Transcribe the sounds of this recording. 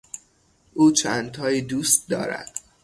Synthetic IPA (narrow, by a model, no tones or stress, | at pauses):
ʔuːt͡ʃʰænt̪ʰɒːjiːd̪uːst̪̚d̪ɒ̰ːɾæ̰d̪̥